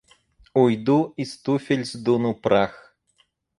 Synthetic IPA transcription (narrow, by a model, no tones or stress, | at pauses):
ujd̪uist̪ufʲelʲzd̪unupɾax